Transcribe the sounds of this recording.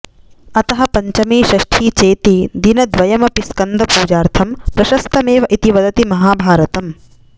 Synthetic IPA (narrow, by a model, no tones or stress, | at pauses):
ɐt̪ɐɦɐpɐɲt͡ʃɐmiːʃɐʃʈʰiːt͡ʃeːt̪id̪inɐd̪ʋɐjɐmɐpiskɐnd̪ɐpuːd͡ʒaːɾt̪ʰɐmpɾɐʃɐst̪ʰɐmeːʋɐʔit̪iʋɐd̪ɐt̪imɐɦaːbʱaːɾɐt̪ɐm